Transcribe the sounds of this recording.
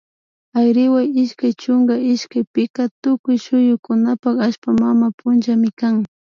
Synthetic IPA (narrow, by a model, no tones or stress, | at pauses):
ajɾɪwajɪʃkajt͡ʃʊŋɡaɪʃkajpɪkat̪ʊkʊjʃʊjʊkʊnapakaʃpamamapʰʊnt͡ʃamɪkaŋ